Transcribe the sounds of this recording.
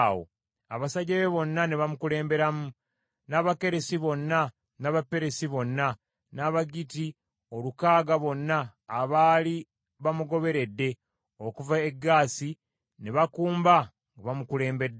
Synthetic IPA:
wo̰ | aβasaɟeβeβo̞nːaneβamukule̞ːmbe̞ɾamu | naβake̞ɾesiβo̞nːa | naβapːe̞ɾesiβo̞nːa | naβaɡiti | o̞lukaːɡaβo̞nːaːβaːli | βamuɡo̞βe̞ɾe̞dːe̞ | o̞kuvae̞ɡːaːsi | neβakuːmba | ŋɡaβamukule̞ːmbe̞dː

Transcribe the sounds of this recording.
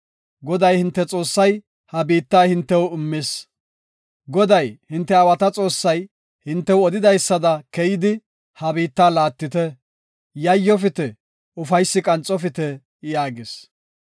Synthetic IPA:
ɡɔd̪ɐjhɪnt̪ːɛt͡sʼo̞ːsːɐj | hɐbiːt̪ːaːhɪnt̪ːɛwɪmːes | ɡɔd̪ɐjhɪnt̪ːɛɐwɐt̪ɐt͡sʼo̞ːsːɐj | hɪnt̪ːɛwɔd̪ɪd̪ɐjsːɐd̪ɐkɛjɪd̪ɪ | hɐbiːt̪ːaːlaːt̪ːɪt̪ɛ | jɐjːɔfɪt̪ɛ | ʊfɐjsːɪkʼɐnt͡sʼɔfɪt̪ɛ | jaːɡɪs

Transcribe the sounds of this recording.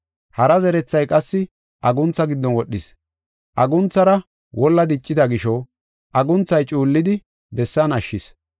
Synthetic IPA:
hɐɾɐzɛɾɛt͡sːɐjkʼɐsːɪ | ʔɐɡʊnt͡sːɐɡɪd̪ːɔnwɔɗːɪs | ʔɐɡʊnt͡sːɐɾɐ | wɔlːɐd̪ɪt͡ʃʼːɪd̪ɐɡɪʃɔ | ʔɐɡʊnt͡sːɐjt͡ʃʼuːlːɪd̪ɪ | bɛsːɐnɐʃːɪs

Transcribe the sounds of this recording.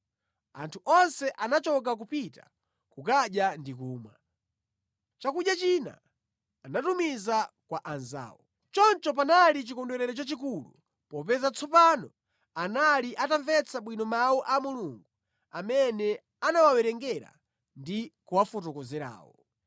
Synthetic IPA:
a̰ntʰuʔɔnsɛʔanat͡ʃɔk̬ak̬upita̰ | kukaɗjandik̬uːmwa̰ | t͡ʃakuɗjat͡ʃina̰ː | natumiza | kwaʔanza̰ːwɔ | t͡ʃɔnt͡ʃɔp̬analit͡ʃikɔndwɛɾɛɾɛt͡ʃat͡ʃik̬ulṵ | pɔpɛzat͡sʰɔpanɔ | analiʔataɱvɛt͡sʰaɓwinɔmawɔʔamuluŋɡu | amɛnɛ | anawawɛɾɛŋɡɛɾa̰ | ndikuwafɔtɔkɔzɛɾa̰ːwɔ

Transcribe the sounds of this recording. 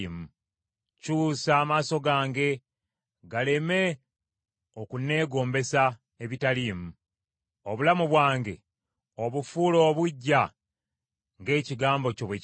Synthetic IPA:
mu | cuːsaːmaːso̞ɡaːŋɡe̞ | ɡale̞me̞ | o̞kune̞ːɡo̞ːmbe̞sa | e̞βitaliːmu | o̞βulamuβwaːŋɡe̞̰ | o̞βufulo̞ːβuɟːa | ŋɡe̞ːciɡaːmbo̞co̞βwe

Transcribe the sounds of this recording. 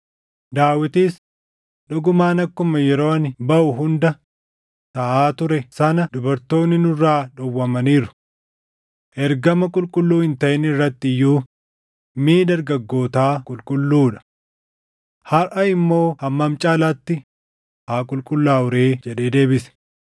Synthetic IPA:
d̪aːwɪt̪iːs | ᶑʊɡʊmaːnɐkːʊmɐjɛɾo̞ːɐnbɐʔʊɦʊnd̪ɐ | t̪ɐʔaːt̪ʊɾɛsɐnɐd̪ʊbɐɾt̪o̞ːnːɪnʊrːaːᶑɔwːɐmɐniːɾʊ̥ | ʔɛɾɡɐmɐkʼʊlkʼʊlːuːhɪnt̪ɐʔɪnɪrːɐt̪ːɪɪjːuː | miːd̪ɐɾɡɐɡːo̞ːt̪aːkʼʊlkʼʊlːuːᶑɐ̥ | hɐɾʔɐɪmːo̞ːhɐmːɐmt͡ʃʼaːlat̪ːɪ | haːkʼʊlkʼʊlːaːʊɾe̞ːd͡ʒɛᶑe̞ːd̪e̞ːbɪsɛ̥

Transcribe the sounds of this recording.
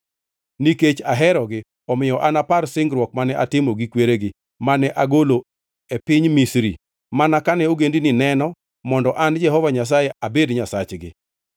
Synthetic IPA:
niket͡ʃaɦɛɾɔɡɪ | ɔmɪjɔʔanaparsɪŋɡɾwɔk̚manɛʔatɪmoɡikweɾeɡɪ | manɛʔaɡolo | epɪɲmisɾḭ | manakanɛoɡendinɪnɛnɔ | mɔndɔʔand͡ʒɛɦɔvaɲas̬ajeʔabedɲasat͡ʃɡɪ̰

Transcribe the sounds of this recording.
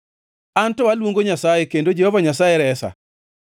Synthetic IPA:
antɔalwoŋɡoɲasajekendod͡ʒehovaɲasajeɾɛsa̰

